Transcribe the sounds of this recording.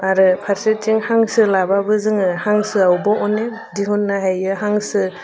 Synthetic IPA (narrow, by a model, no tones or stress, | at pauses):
aɾɯpʰaɾset͡ʃiŋhaŋsɯlababɯzɯŋɯhaŋsɯawbɔɔne | diɦunːaɦajɯɦaŋsɯ